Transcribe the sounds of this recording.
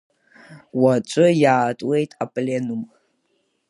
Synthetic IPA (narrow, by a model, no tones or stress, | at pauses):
wat͡ʃʷʼʊjaːtʼwe̞jtʼapʼlenum